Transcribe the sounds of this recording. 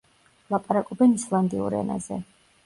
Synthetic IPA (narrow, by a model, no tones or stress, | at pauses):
lˠapʼaɾakʼɔbɛnislˠand̪iṵɾɛ̰na̰zɛ̰